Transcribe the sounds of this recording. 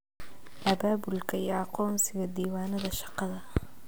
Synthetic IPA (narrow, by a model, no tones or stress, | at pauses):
ʔɐbaːbʊlkʰɐjɛɑqɔːnsɪɣɐd̪iːwaːnɐðɐʃɑ̥qɑðɐ